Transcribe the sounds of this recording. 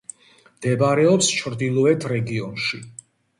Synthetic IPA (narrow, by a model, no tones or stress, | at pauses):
md̪̥ɛbaɾɛɔpst͡ʃʰɾd̪ilˠɔɛt̪ʰɾɛɡiɔnʃi